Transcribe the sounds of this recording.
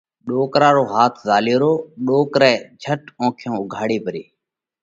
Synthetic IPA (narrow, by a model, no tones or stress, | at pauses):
ɗoːkɾaːɾoːɦaːt̪ʰzaːljoːɾoːɗoːkɾɛ̃ːd͡ʒʱəʈõːkʰjõːʊɡʱaːɽiːpəɾiː